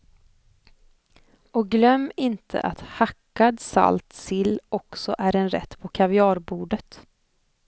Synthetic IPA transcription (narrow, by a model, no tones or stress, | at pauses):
ɔk̚ɡlœmːɪnt̪ʰə̰ʔat̪hakːad̪sa̰lt̪sɪlːɔksɔʔæɾɛnɾɛ̰t̪ːpʰɔkʰavɪɑːɾbuːɖət̪